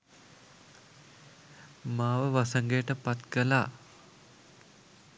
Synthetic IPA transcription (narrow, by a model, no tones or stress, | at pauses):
maːʋəʋasəŋɡeːʈəpat̪kəlaː